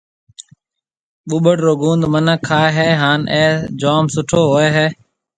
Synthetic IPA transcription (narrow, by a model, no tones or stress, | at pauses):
ɓuɓəʈɾoːɡũːnd̪mənəkʰːaːeɦeːɦaːnʔeːd͡ʒaːmsʊʈʰoːɦoːeːɦeː